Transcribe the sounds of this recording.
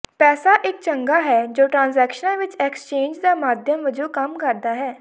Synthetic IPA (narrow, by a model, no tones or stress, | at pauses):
pɛːsaːʔɪk̚t͡ʃəŋɡaːɦɛːd͡ʒoːʈɾãːnzɛːkʃənãːʋɪt͡ʃɛːkst͡ʃẽːɲd͡ʒd̪aːmaːd̪ʱjəmʋəd͡ʒoːkəmkəɾd̪aːɦɛː